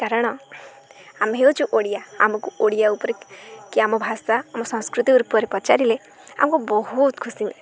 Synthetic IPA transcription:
kaɾɔɽ̃ɔ | amɦewt͡ʃʰuʔoɽijaa̰mɔkuʔoɽijaupɔɾekiamɔbʱasaːmɔsɔ̃skɾut̪iuɾupɔɾepɔt͡ʃaɾile | a̰mɔkubɔɦut̪kʰusi

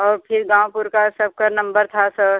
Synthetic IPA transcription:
ɔːɾpʰɪɾɡãːwpʊɾkasɐb̚kanɐ̃mbəɾt̪ʰasəb

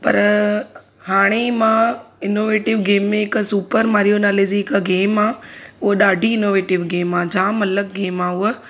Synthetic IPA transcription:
pɐ̰ɾ | haːɽ̃emãːɪnoːʋeːʈɪʋɡeːmːẽɪksuːpəɾmaːɾijonaːled͡ʑiɪkɡeːmaːʊɦɗaːɖʱiɪnoːʋeːʈɪʋɡeːmaːd͡ʑãːmɐləkɡeːmaʊɦə

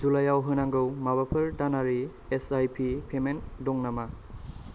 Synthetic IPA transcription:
d͡ʒulajawɦɯnaŋɡɯwmabapʰɯɾdanaɾi | esajpʰipʰemendɔŋnama

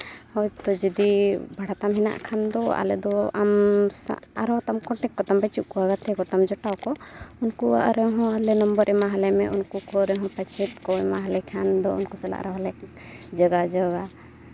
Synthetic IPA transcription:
hɔjt̪ɔd͡ʒɔd̪ibʱaɽat̪amɦɛna̰ʔkʰand̪ɔa̰lɛ̰d̪ɔa̰m̰ | aɾɔt̪amkɔʈɛkːɔt̪ambɛt͡ʃuʔkɔaɡat̪ɛkɔt̪amd͡ʒɔʈawkɔunkua̰ʔɾɛɦɔ̃alɛnɔmbəɾʔɛmaɦalɛmɛʔunkukɔɾɛɦɔ̃pat͡ʃʰɛt̪̚kɔɛmaɦalɛkʰand̪ɔunkusɛla̰ʔɾɔɦɔlɛk | d͡ʒəɡad͡ʒəɡa

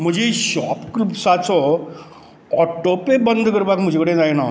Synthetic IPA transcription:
m̤əd͡ʑʱiɕɔpklupsat͡sɔ | ɔʈopebənd̪kəɾbakm̤əd͡ʑʱekəɽẽd͡zajna

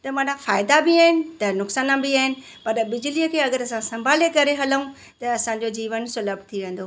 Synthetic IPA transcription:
t̪ɐmãːnãfaːɪd̪abiaːɦɪnɪ̆t̪ɐnʊksaːnãbiaːɦɪnɪ̆ | pɐɾbɪd͡ʑliəkʰeːɐɡəɾɐsãsɐ̃mbʱaːlekɐɾeɦɐləũ | t̪ɐɐsãd͡ʑod͡ʑiːʋənsʊləbt̪ʰiʋẽːn̆d̪o

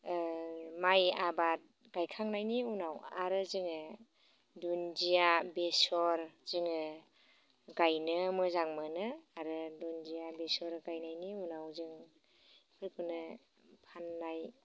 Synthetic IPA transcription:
majabat̚ | ɡ̥ajkʰaŋnajniunawaɾɯzɯŋɯ | dunzijabesɔɾz̥ɯŋɯ | ɡajnɯmɯzaŋmɯnɯaɾɯdunzijabesɔɾɡajnajniunawzɯŋ | pʰɯɾkʰɯnɯ | pʰanːaj

